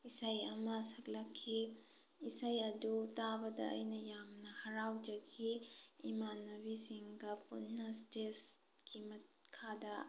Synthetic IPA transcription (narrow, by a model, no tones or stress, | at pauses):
isajɐmɐsɐklakʰːi | isajɐdutabɐdɐ̰ʔɐ̰jnɐjamnɐhɐɾawd͡ʒɐɡʰiimanɐbisiŋɡɐpṵnːɐstes | ɡimɐtkʰadɐ